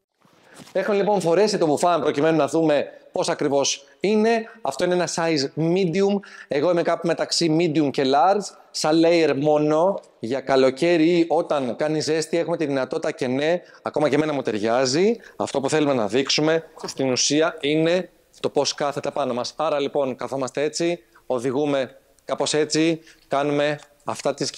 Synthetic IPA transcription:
e̞xumelipo̞nfo̞ɾe̞sit̪obufɐnpɾo̞cime̞nunɐðume̞po̞sɐkɾivo̞s | ine̞ɐft̪o̞ineenɐsɐjzmid̪iume̞ɣo̞ime̞kɐpume̞t̪ɐksimid̪iumce̞lɐɾz̥ | sɐlejeɾmo̞no̞ | ʝɐkɐlo̞ce̞ɾiiʔo̞t̪ɐŋkɐnize̞st̪iɐe̞xume̞t̪iðinɐt̪o̞t̪i̥t̪ɐce̞ne̞ɐko̞mɐceme̞nɐmut̪e̞ɾʝɐziɐft̪o̞puθe̞lume̞nɐðiksume̞st̪inusiɐine̞ | t̪o̞po̞skɐθet̪epɐno̞mɐsɐɾɐlipo̞nkɐθo̞mɐst̪e̞e̞t͡si | o̞ðiɣume̞ | kɐpo̞se̞t͡sikɐnume̞ | ɐft̪ɐt̪is

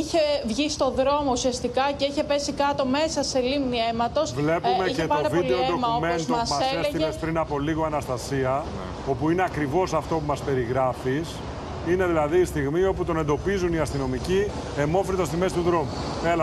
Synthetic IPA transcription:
içevʝist̪o̞ðɾo̞mo̞usiɐst̪ikɐceiçe̞pe̞sikɐt̪o̞me̞sɐse̞limniemɐt̪o̞svle̞pumecetɐod̪vid̪eoɾomɐomest̪oɐsmɐseessimespɾinɐpo̞liɣoɐnɐst̪ɐsiɐ | o̞puineɐkɾivo̞sɐft̪o̞pumɐspe̞ɾiɣɾɐfis | ine̞ðilɐðiːst̪iɣmio̞put̪o̞nend̪opizuniɐst̪ino̞mici | e̞mo̞fɾit̪ɐst̪izmest̪uðɾo̞mu | elɐ

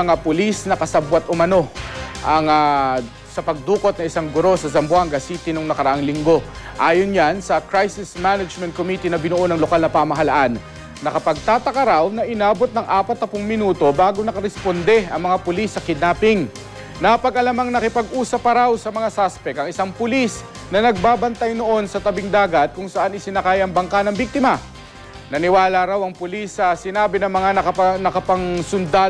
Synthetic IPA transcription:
ɐŋapʊlisnɐkɐsabwɐt̪ʔʊmɐno̞ʔɐŋa | sɐpɐɡ̚d̪uːko̞t̪̚nɐʔɪsaŋɡʊɾo̞sɐzɐmbwaŋɡɐsiːt̪ɪnʊŋnɐkɐɾɐʔaŋlɪŋɡo̞ | ʔaːjonɲansɐkɾajsɪsmanɐd͡ʒmɛnt̪̚komiːt̪inɐbɪnʊʔonɐŋlokalnɐpaːmɐɦɐlaʔanː | ɐkɐpɐɡ̚t̪aːt̪ɐkɐɾawnɐʔɪnaːbo̞t̪̚nɐŋʔaːpɐt̪ːɐpʊŋmɪnuːt̪o̞baːɡonɐkɐɾɛspond̪ɛɐŋmɐŋapʊlisːɐkɪd̪naːpɪŋ | nɐpɐɡʔɐlamaŋnɐkɪpɐɡʔuːsɐpɐɾawsɐmɐŋasaspɛkɐŋɪsaŋpʊlis | nɐnɐɡ̚baːbɐnt̪ajno̞ʔo̞nsɐt̪ɐbɪŋd̪aːɡɐt̪̚kʊŋsɐʔanɪsɪnɐkaːjɐŋbɐŋkanɐŋbik̚t̪ɪmɐ | nɐnɪwaːlaɾawɐŋpʊlisːɐsɪnaːbɪnɐŋmɐŋanɐknɐkɐpɐŋsʊnd̪aː

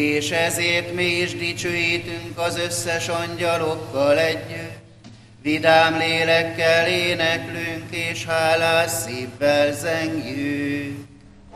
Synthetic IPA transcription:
eːʃɛzeːrt̪miiʒd̪it͡ʃøːjit̪yŋkɒzø̞sːɛʃɒɲɟɒlo̞kːɒlɛɟːø | ʋid̪aːmleːlɛkːɛleːnɛklyŋkeːʃhaːlaːsːiːvːɛlzɛŋɡjyːk

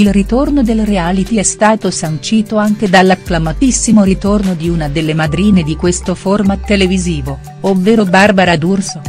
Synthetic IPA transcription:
ilrit̪ornod̪elrealit̪iɛst̪aːt̪osant͡ʃiːt̪oaŋk̟ed̪alːakːlamat̪isːimoɾit̪ornod̪iunad̪elːemad̪ɾiːned̪ikwest̪oformat̪ːeleviziːvo | ovːeːɾobarbaɾad̪urso

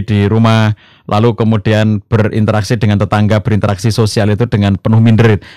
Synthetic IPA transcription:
d̥iɾumah | lʔalukəmud̥ianb̥ərḭnt̪əɾaksid̥əŋant̪ət̪aŋɡab̥əɾint̪əɾaksisosialit̪ud̥əŋanpənʊhmindəɾɪt̪̚

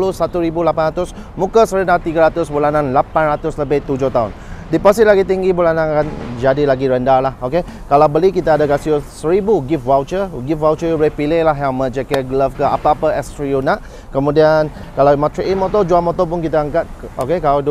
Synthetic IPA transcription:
lusat̪uɾibulapanɾat̪ʊs | mũkəsəɾəndat̪iɡaɾat̪ʊsbulanãnlapanɾat̪ʊsləbɪht̪ud͡ʒʊht̪aɦʊ̰n | dipɔsit̪̚laɡit̪iŋɡibulanãnakand͡ʒadilaɡiɾəndalahoke | kalawbəlikit̪aːdaɡasiusəɾibuɡifwawt͡ʃəɡifwawt͡ʃəjubəlɪpilehlaɦjaŋmə̃t͡ʃɛkɛɡələfkəapaːpəɛstɾiunaʔ | kəmũdian | kalamat̪ɾiʔimɔt̪ɔd͡ʒuamɔt̪ɔpʊnkit̪aəŋkat̪̚okekalad

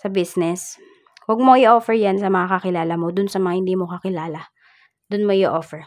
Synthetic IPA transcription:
sɐbisnɛs | wɐɡ̚mo̞ʔɪʔoːfɛɹjansɐmɐŋakɐkɪlaːlɐmo̞d̪ʊnsɐmɐŋahɪnd̪iːmokɐkɪlaːlɐ | d̪̥ʊnmoɪɪʔoːfɛɹ

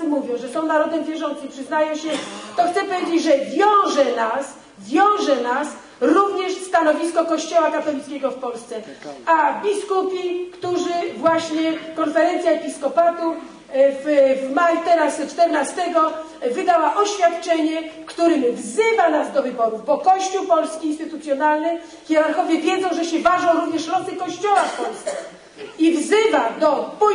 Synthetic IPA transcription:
muvʲjɔ̃w̃ʐɛsɔ̃w̃naɾɔd̪ɛmvʲjɛʐɔnt̪sɨipʂɘznajɔ̃w̃ɕɛt̪ɔxt̪sɛpɔvʲjed͡ʑed͡ʑʐɛvʲjɔ̃w̃ʐɛnas | vʲjɔ̃w̃ʐɛnas | ɾuvɲɛʂst̪anɔvʲiskɔkɔɕt͡ɕɔwakat̪ɔlʲit̪kʲɛɡɔfpɔlst̪sɛavbʲiskupʲikt̪uʐɘvwaɕɲɛkɔnfɛɾɛnt̪sʲjaɛpʲiskɔpat̪u | vvmajut̪ɛɾast͡ʂt̪ɛɾnast̪ɛɡɔ | vɘd̪awaʔɔɕfʲjat̪t͡ʂɛɲɛkt̪uɾɘmvzɘvanazd̪ɔvɘbɔɾuvbɔkɔɕt͡ɕuwpɔlskʲiːnst̪ɘt̪ut̪sjɔnalnɘ | xʲjɛɾaɾxɔvʲjɛvʲjɛd̪zɔ̃w̃ʐɛɕɛvaʐɔ̃w̃ɾuvɲɛʂɾɔsɨkɔɕt͡ɕɔwafpɔlst̪sɛ | ivzɘvad̪ɔpɔ

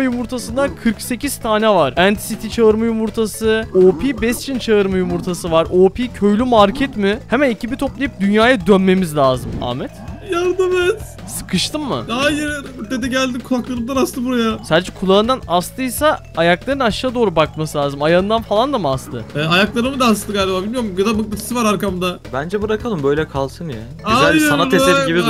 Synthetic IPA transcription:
ajumuɾt̪ʰasɯnd̪ankʰɯɾkse̞cʰiz̥t̪ʰaːnɛvaɾænt̪ʰi̥sit̪ʰit͡ʃʰaɯɾmajumuɾt̪ʰasɯoːpʰiːbɛst͡ʃʰint͡ʃʰaɯɾmajumuɾt̪ʰasɯvaɾoːpʰiːcʰøjlʲymaɾcʰɛt̪mɪhemænicʰibit̪ʰo̞plˠajip̚d̪ynjaːjad̪ønme̞mizlʲaːzɯma̰ːmɛt̪jaɾd̪ɯmez̥ | sɯ̥kʰɯʃt̪ʰɯmːɯ̰ajɯɾɾt̪ːed̪ɛɟælʲd̪imkʰulˠaklˠaɾɯmd̪anast̪ɯbuɾajasad̪ed͡ʒɛkʰulˠaɯnd̪anast̪ɯjsaː | jaklˠaɾɯnaʃaːad̪o̞ːɾubak̚masɯlʲaːzɯmajaɯnd̪anfalˠand̪amast̪ʰɯɛːajaklˠaɾɯmɯd̪aːst̪ɯɡaːlʲebaːbilʲmijoɾmɡaamɯk̪̚acʰi̥sivaɾaɾkamd̪abænd͡ʒɛbɯɾakʰalˠɯmbøjlʲɛkʰalˠsɯnja | aasannaeeɾiɟibi

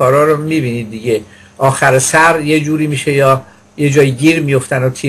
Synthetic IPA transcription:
ɒːɾɒːɾomibiːnid̪̚ːiɟe̞ | ʔɒːxæɾesæɾje̞d͡ʒuːɾiːmiːʃe̞jɒː | je̞d͡ʒɒːjiɟiːɾmijo̞ft̪ænot̪ʰi

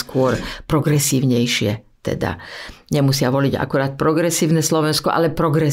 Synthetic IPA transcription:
skʊɔɾpɾɔɡɾɛsiːʊɲɛjʃɪɛ̰t̪ɛ̰d̪a̰ɲɛmusɪaʋɔliɟa̰kuɾaːt̪̚pɾɔɡɾɛsiːʊnɛslɔʋɛnskɔʔa̰lɛpɾɔɡɾɛ

